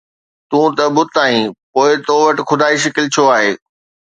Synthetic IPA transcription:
t̪ũːt̪ɐbʊt̪aːɦĩpoːɪt̪oʋɐʈɪ̆xʰʊd̪ʱaːiʃ̬ɐkɪlt͡ɕʰoaːɦeː

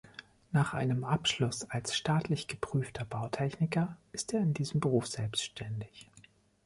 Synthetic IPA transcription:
naːχʔa̰ɪnəmʔapʃlʊsalsʃtaːtlɪçɡ̥əpʁ̥yːftʰɐbaʊtʰɛçnɪkɐʔɪsteːɐɪndiːzəm̩bəʁuːfz̥ɛlpstʃtʰɛndɪç

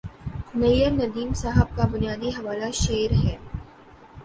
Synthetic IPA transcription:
nɐjəɾnɐd̪iːmsaːɦəb̚kabʊnijaːd̪iɦɐʋaːlaʃeːɾɦɛː

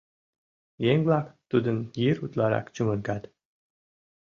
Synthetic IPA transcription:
jeŋʲblˠɑkt̪ud̪ənjiɾut̪lɑɾɑ̰kt͡ɕumə̆nkɑt̪

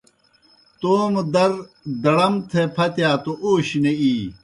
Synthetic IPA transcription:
t̪oːmd̪ɐɾ | d̪ɐɽɐmt̪ʰepʰɐt̪jaːt̪oʔoːɕneiː

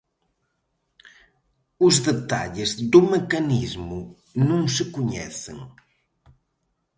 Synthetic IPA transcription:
ʊzðet̪a̰ʎɪzd̪umekɐnizmʊ | nũŋsəkuɲɛ̰θḛŋ

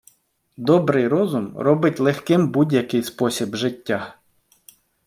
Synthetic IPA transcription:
d̪ɔbɾɪjɾɔzʊmɾɔbɪtʲlˠexkɪmbudʲjɐkɪjspɔsʲibʒɪtʲːa

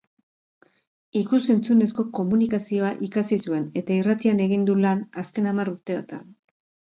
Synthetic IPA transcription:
ikuse̞nt͡sune̞sko̞ko̞munikasio̞aʔikasisue̞ne̞t̪airat̪iane̞ɣ̞ind̪ulanaske̞namaruɾt̪e̞at̪a̰n

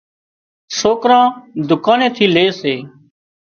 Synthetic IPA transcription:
soːkɾãːd̪ʊkaːnẽːt̪ʰiːleːseː

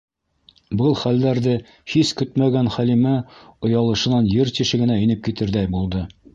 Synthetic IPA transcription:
bɤlˠχælːæɾðɘ | hiskɵt̪mæɡænχælimæŏjɑlˠɤ̆ʃɤ̆nɑnjɘɾt̪iʃɘ̆ɡɘ̆næɘ̆nɘp̚kit̪ɘɾðæjbulˠd̪ɤ

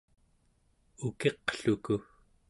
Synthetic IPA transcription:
uke̞qɬuku

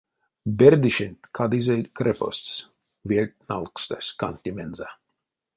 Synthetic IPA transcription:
beɾd̪iʃenʲt̪kʰad̪izʲejʲkɾɛpo̰st̪s | vʲiɛlʲt̪̚nalˠkst̪asʲka̰nʲt̪ʲimenza

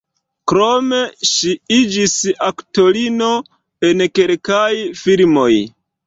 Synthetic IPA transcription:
kɾo̞meʃiid͡ʒisakto̞lino | enkelkajfilmoj

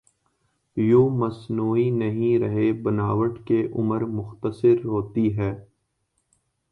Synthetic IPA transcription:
joːmɐsnuːinɐɦĩɾɐɦebɐnaːʋəʈkeʔʊməɾmʊxt̪əsɪɾɦoːt̪iɦɛː

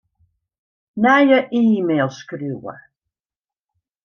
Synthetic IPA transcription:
najəʔiːmelˠskɾiwə̰

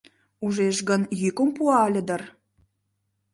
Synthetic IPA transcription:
uʒeʃɡə̆njykompuɑlʲə̆d̪ə̆r

